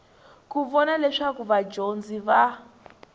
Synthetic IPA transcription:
kuβɔnalɛʂakuβad͡ʒond͡ziβa

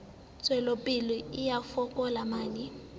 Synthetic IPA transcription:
t͡sʼwɛlopʼɪlɔɪjafɔkʼɔlamaːni

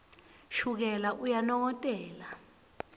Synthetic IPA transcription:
ʃuk̬ɛlaʔujanɔk̬ɔtʼɛːla

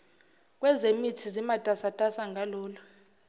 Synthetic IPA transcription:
k̬ʼwɛzemitʰizimatʼasatʼasaŋʱalɔːlɔ

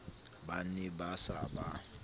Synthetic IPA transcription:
banɪbasaba

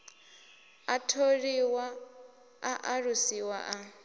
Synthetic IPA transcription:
atʰoɺiwa | aʔaɺusiwa̰ʔa

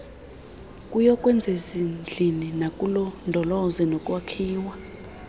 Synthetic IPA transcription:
kʼujɔkʼwɛnd͡zʱezind͡ɮʱininakʼulɔndʱɔlɔzɛnɔkʼwakʰiːwa

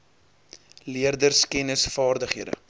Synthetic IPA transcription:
liərdərskɛnəsfɑːrdəχɦiədə̰

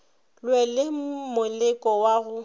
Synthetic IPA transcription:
lwɛlɪmʊlɪkʼɔwaɣʊ

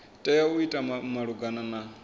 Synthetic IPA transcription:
tʼɛjauitʼamaɺuɡanana

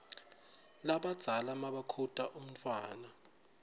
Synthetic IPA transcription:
laɓad̥z̥ʱalamaɓakʰutʼaʔum̩tʰʼwaːna

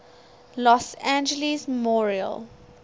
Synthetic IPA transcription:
lɔsæ̃nd͡ʒəlismɔɹiə̰l

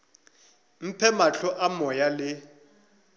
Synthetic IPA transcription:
m̩pʰɛmaɬɔʔamɔjalɪ

